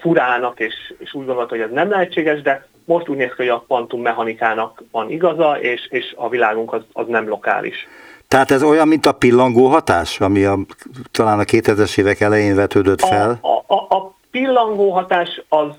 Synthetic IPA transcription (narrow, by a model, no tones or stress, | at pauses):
fuɾaːnɒkeːʃeːʃuːɟɡo̞nd̪olt̪hojɛznɛmlɛɦɛt͡ʃːeːɡɛʒd̪ɛ | mo̞ʃt̪uːɟneːskioɟɒpɒnt̪umːɛɦɒnikaːnɒkvɒniɡɒzɒeːʃeːʃɒvilaːɡuŋkɒzɒ̰znɛmlo̞ka̰ːlʔḭʃt̪ɛɦaːt̪ɛzo̞jɒmːint̪ɒpilːɒŋɡoːɦɒt̪aːʃɒmiɒt̪ɒlaːnɒkeːt̪hɛzɛʃeːvɛkɛlɛjeːnvɛt̪øːd̪øt̪fɛlʔː | pilːɒŋɡoːɦɒt̪aːʃɒz